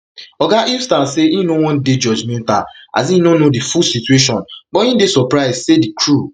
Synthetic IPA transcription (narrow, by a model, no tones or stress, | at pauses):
ɔɡaʔifstãseĩnowɔ̃nded͡ʒɔd͡ʒmɛ̃ntaa̰s̬ĩnonodifulsitueʃɔ̃nbɔĩndesɔpɾaɪssedikʰɹu